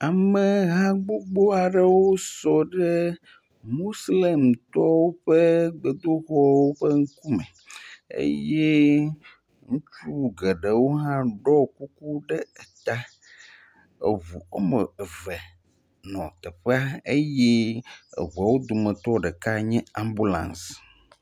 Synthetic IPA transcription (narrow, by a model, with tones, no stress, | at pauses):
a˨mɛ̃˨ɣã˦ɡ͡bo˦ɡ͡bo˦a˨ɖə˦wo˦sɔ˨ɖɛ˦ | mo˦sle˨mt̪ɔ˦wo˦ɸɛ˦ɡ͡be˨d̪o˦ɣɔ˦wo˦ɸə˦ŋ̩˦ku˦mɛ̃˨ | ḛ˦jɛ˦ | ŋũ˦t͡ʃu˦ɡɛ˨ɖe˨wo˦ɦã˦ɖɔ˦ku˦ku˦ɖɛ˦ɛ˨t̪a˦ | ḛ˨vu˨o˦mə˨vɛ˨ | nɔ̰̃˨t̪ɛ˨ɸe˦a˦e˦jɛ˦ḛ˨βu˨a˨wo˦d̪o˨mɛ̃˨t̪ɔ˦ɖɛ˨ka˦ɲɛ̃˦ã˨mbu˦lã̰˨ns